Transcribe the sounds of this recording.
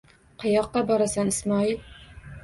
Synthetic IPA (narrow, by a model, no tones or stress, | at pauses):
qəjɑqːɑbɒɾasanɨsmɑːil